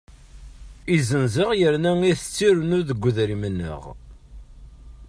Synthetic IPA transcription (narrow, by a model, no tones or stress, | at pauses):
izənzəʁjəɾnæiθət͡sːiɾənʊɾðəɡʷːəðɾimənːə̰ʁ